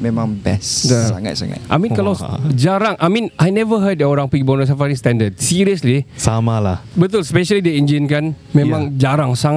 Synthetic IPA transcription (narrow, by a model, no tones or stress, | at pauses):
mẽmãŋbɛ̰sdasa̰ŋa̰t̪sa̰ŋa̰t̪ʔajmĩnkalad͡ʒaɾaŋʔajmĩnʔajnɛvəɦəd̚dɛoɾãŋpiɡibɔnəs̬afaɾist̪ɛ̃ndəd̚siɹiəslisamalahbət̪ulspɛʃalideĩnd͡ʒinkan | mẽmãŋd͡ʒaɾaŋsaŋ